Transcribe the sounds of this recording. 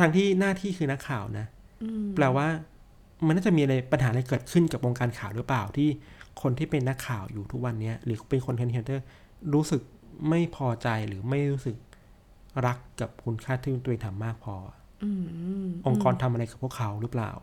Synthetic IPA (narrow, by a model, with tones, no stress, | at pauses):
t̪ʰaː˧ŋt̪ʰiː˥˩naː˥˩t̪ʰiː˥˩kʰɯː˧na˦˥kʰːaː˨˩wna˦˥ | plɛː˨˩waː˥˩ | ma˧nːaː˥˩t͡ɕa˨˩ʔmiː˧ʔa˧ɾa˧jpa˧nhaː˩˦ʔɾa˧jk̬ɤː˨˩t̪̚kʰɯ˥˩nka˨˩p̚ʔo˧ŋkaː˧nkʰaː˨˩wɾɯ˦˥plaː˨˩wt̪ʰiː˥˩kʰo˧nt̪ʰiː˥˩pe˧nːa˦˥kʰːaː˨˩wjuː˨˩t̪ʰu˦˥k̚wa˧nːi˦˥ɐɾɯː˩˦pe˧nkʰo˧nt̪kʰe˦nʰ˧nt̪ɤː˥˩ | ɾuː˦˥sɯ˨˩k̚ | ma˥˩jpʰɔː˧t͡ɕa˧jɾɯː˩˦ma˥˩jɾuː˦˥sɯ˨˩k̚ | ɾa˦˥kːa˨˩p̚kʰu˧nkʰaː˥˩t̪ʰiː˥˩˧t̪ːʔeː˧ŋt̪ʰa˨˧mːaː˥˩k̚pʰɔː˧˩˧ | ʔo˧ŋkɔː˧nt̪ʰa˧mʔa˧ɾa˧jka˨˩pʰu˥˩əkʰa˦˥wɾɯː˦˥pla̰ː˨˩w